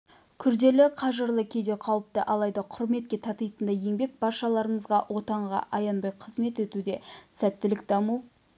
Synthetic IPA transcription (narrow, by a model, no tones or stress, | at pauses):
kʲʰʏɾd̪e̞lɪqʰɑʒəɾlˠəkʲʰe̞jd̪e̞qʰɑwəp̚t̪əʔɑlˠɑjd̪ɑqʰʊɾme̞t̪̚kʲe̞t̪ʰɑt̪ɑjt̪ənd̪ɑje̞ŋbe̞k̚bɑɾʃɑlˠɑɾəɴəzʁɑwʔo̞t̪ɑɴʁɑ̰ʔɑjɑnbɑjqʰəzme̞t̪et̪ud̪e̞sæt̪ːɪlɪk̚d̪ɑmuw